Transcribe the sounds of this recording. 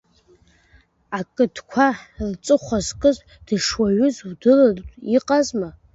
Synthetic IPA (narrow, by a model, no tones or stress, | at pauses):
akʼɨdkʷʰart͡sʼɨχʷazkʼɨz | d̥ɨʂwaɥʊzwdɨlaiqʼazma